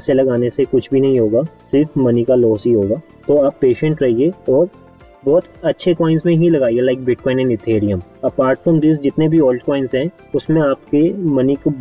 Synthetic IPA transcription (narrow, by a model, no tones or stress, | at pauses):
selɐɡaːnesekʊt͡ʃʰbʱinɐɦĩɦoːɡaːsɪɾfmɐnikalɔːsɦiɦoːɡaː | t̪oaːpːeːʃə̃ɳʈɾɐɦieɔːɾ | bɔːt̪ɐtːʃʰekɔːɪnzmẽɦilɐɡaːielaɪk̚bɪʈ̚kɔːɪ̃nɛ̃ɳɪt̪ʰeːɾɪjə̃mɐpaːɾʈfɾə̃md̪ɪs̬d͡ʒɪt̪nebʱiɔːlɖkɔːɪ̃nzɦɛ̃ː | ʊsmẽaːpkemɐnik